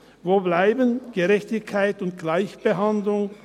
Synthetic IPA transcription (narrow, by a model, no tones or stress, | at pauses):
voːblaɪbənɡ̥əʁɛçtɪkʰːaɪtʊnt̚ɡ̥laɪçb̥əɦandlʊŋ